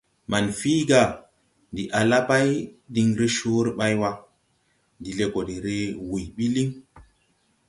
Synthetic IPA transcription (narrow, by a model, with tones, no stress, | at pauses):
ma˨nfi˦ɡa˨ | ndi˨ʔa˨la˦pa˦jdi˨ŋɾe˦ʃo˦ɾɓa˦jwa˦ | ndi˨le˨ko˨ɗe˨ɾe˦wu˨jɓi˦li˦ŋ